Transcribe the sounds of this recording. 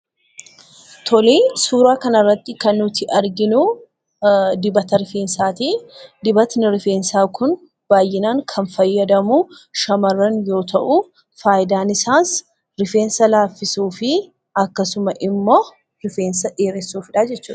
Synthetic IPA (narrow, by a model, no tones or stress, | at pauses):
t̪ʰɔliːsuːɾaːkɐnɐrːɐt̪ːɪkɐnːʊt̪ɪʔɐɾɡɪnu | d̪ɪbɐt̪ɐɾɪfeːnsaːt̪iːd̪ɪbɐt̪nɪɾɪfeːnsaːkʊn | b̥aːjːɪnaːŋkʰɐnfɐjːɐd̪ɐmuːʃɐmɐrːɐnjo̞ːt̪ʰɐʔu | faːjɪd̪aːnɪsaːns | ɾɪfe̞ːnsɐlaːfːɪsuːfɪ | ɐkːɐsʊmɐʔɪmːoː | ɾɪfeːnsɐᶑeːɾɛsuːfɪᶑaːd͡ʒɛt͡ʃːṵːᶑɐ̥